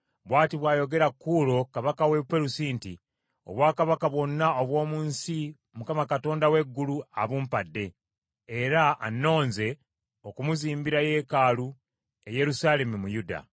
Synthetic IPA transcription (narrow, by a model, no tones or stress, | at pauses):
βwaːtiβwaːjo̞ɡe̞ɾakːuːlo̞kaβakawepeɾusiːnti | o̰βwaːkaβakaβwo̞nːaoβwo̞ːmuːnsi | mukamakato̞ːndawe̞ɡːulua̰βumpadːe̞ | eɾa̰ːnːo̞ːnze̞ | o̞kumuziːmbiɾaje̞ːkaːlu | e̞je̞ɾusaːle̞mumujuda̰